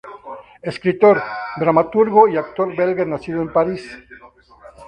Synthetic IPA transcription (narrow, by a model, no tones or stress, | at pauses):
eskɾit̪oɾd̪ɾamat̪uɾɣoiakt̪o̞ɾbelɣenasiðoempaɾis